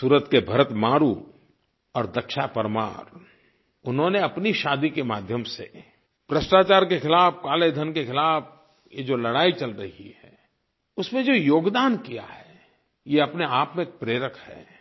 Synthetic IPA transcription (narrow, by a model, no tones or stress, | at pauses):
suːɾət̪kebʱɐɾət̪maːɾu | ɔːɾd̪ɐkʃapəɾma̰ːɾ | ʊnɦõneɐpniʃaːd̪ikemaːd̪ʱjəmsḛ | b̥ɾəsʈaːt͡ʃaːɾkexɪlaːfkaːled̪ʱənkexɪlaːf | jed͡ʒolɐɽaːit͡ʃɐlɾɐɦḭhɛ̰ː | ʊsmẽd͡ʒoːjoːɡd̪aːnkija̰ɦɛ | jeɐpneaːpmẽk̚pɾeːɾəkhɛ̰ː